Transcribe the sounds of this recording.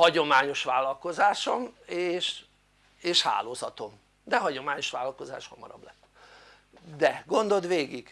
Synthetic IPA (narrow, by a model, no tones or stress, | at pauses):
hɒɟo̞maːɲo̞ʃʋaːlːɒlko̞zaːʃo̞meːʃ | eːʃha̰ːloːzɒt̪o̞m | d̪ɛɦɒɟo̞maːɲo̞ʃʋaːlɒlko̞za̰ːʃhɒmɒ̰ɾɒ̰blɛt̪ː | d̪ɛɡo̞nd̪o̞d̪ʋeːɡiɡ̥